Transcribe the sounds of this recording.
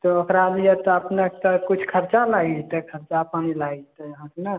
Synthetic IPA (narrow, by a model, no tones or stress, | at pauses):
t̪ɔokɾalijɛt̪ɔəpnekt̪ɔkut͡ʃʰkʰəɾt͡ʃalaɡit̪ɛkʰəɾt͡ʃapanilaɡit̪əɦãknə